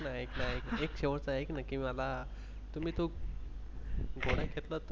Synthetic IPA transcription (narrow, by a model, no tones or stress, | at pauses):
naeknaekekɕeʋəɾt͡saeknakĩʋala | t̪um̤iːt̪o | ɡʱoɽ̤ãkʰet̪lət̪